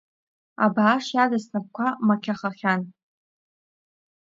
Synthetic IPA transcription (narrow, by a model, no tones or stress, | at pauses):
a̰baːʂjadastʰap̚kʷʰamakʲʰaχaχʲan